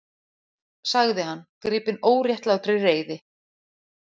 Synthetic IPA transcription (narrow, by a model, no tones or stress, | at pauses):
saɣðɪɦanːkɾɪːpɪnoːwɾjɛht̪lawt̪ɾɪreːjðɪ